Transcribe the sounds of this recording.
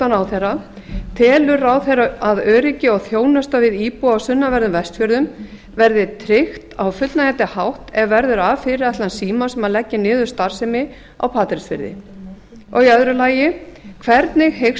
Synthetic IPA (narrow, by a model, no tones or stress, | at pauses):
anawθɛjra | t̪ʰɛːlʏɾaːwθeɾaaðœːɾɪcɪɔɣθjoːwnast̪avɪðiːpuawsʏnːavɛɾðʏmvɛst̪fjœɾðʏm | vɛɾðɪt̪ʰɾɪxt̪awfʏt̪lnaɣɛt̪ɪhawht̪ɛɣvɛɾðʏɾavfɪɾɪat̪lansiːmasɛmaðlɛcːɪnɪːðʏ̥st̪aɾ̥sɪmɪ | a̰wpʰaːt̪ɾɪsfɪ̰ɾðɪ̰ | ɔɣiœðɾʏlaːjɪkʰvɛɾt̪nɪɣhe